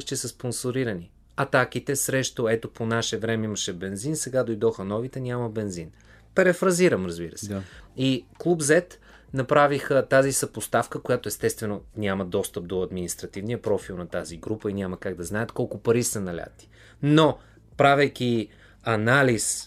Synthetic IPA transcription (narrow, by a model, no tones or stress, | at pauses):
t͡ʃisɐsponsoɾiɾɐni | ɐt̪ak̟it̪ɛsɾɛʃt̪oɛt̪oponaʃɛvɾɛmɛiməʃɛbɛnzinsɛɡad̪ojd̪ɔxənɔvit̪ɛnʲamɐbɛnzin | pɛɾɛfɾɐziɾɐmɾɐzbiɾəsɛiklˠubzɛt̪ | nɐpɾavixət̪azisɐpost̪afkəkojat̪oɛst̪ɛst̪vɛnonʲamɐd̪ɔst̪əp̚d̪oɐd̪minist̪ɾɐt̪ivnijəpɾɔfilˠnɐt̪aziɡɾupəinʲaməkaɡ̚d̪ɐznaɛt̪kɔlˠkʊpɐɾisɐnɐlʲa̰t̪i̥ | no | pɾavɛjk̟ʲi | ɐnalis